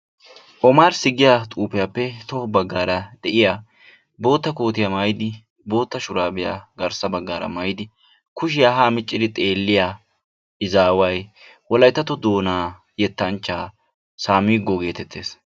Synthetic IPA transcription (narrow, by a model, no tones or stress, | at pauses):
ʔɔmaːɾsɪɡɪjat̪ʼuːpɪjapːɛt̪ɔbɐɡːaːɾɐd̪̥ɛʔɪjaː | bo̞ːt̪ːɐko̞ːt̪ɪjɐmaːjɪd̪ɪ | bo̞ːt̪ːɐʃʊɾaːbɪja̰ɡɐɾsɐbɐɡːaːɾɐ̰maːjɪd̪ɪ | kʊʃɪjaɦaːmɪt͡ʃʼːɪd̪ɪt̪ʼe̞ːlːɪja | ʔɪzaːwɐj | wɔlɐjt̪ːɐt̪ɔd̪o̞ːnaː | jɛt̪ːɐnt͡ʃːaː | saːmiːɡːɔɡe̞ːt̪ɛt̪ːeːs